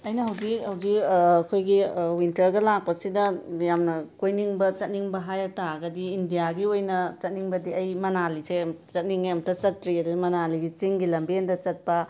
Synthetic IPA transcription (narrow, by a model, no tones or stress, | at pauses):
ɐjnɐɦɐwzikhɐwd͡ʒikːkʰojɡiwintɐɾɡɐlak̚pɐsidɐjamnɐkojniŋbɐt͡ʃɐt̚niŋbɐɦajataɡɐdiːndijaɡiojnɐt͡ʃɐt̚niŋbɐdiɐjmɐnaliset͡ʃɐt̚niŋjamtɐt͡ʃɐtɾiɐdudimɐnaliɡit͡ʃiŋɡilɐmbindɐt͡ʃɐt̚pɐ